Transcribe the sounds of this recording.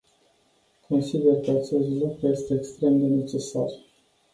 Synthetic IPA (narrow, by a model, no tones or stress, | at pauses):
kʰo̞nsid̪e̞rkəat͡ʃe̞st̪lukɾuje̞st̪e̞ːkst̪ɾe̞md̪e̞ne̞t͡ʃe̞sa̰r